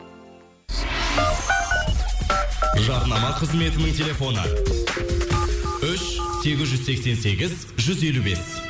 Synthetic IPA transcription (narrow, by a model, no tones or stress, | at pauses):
ʒɑɾənɑmɑqʰəzme̞t̪ɪnɪŋt̪ʰʲe̞lʲe̞fo̞nə̰ | ʏʃse̞ɡʲɪzʒʏzse̞kse̞nse̞ɡʲɪz | ʒʏze̞lube̞s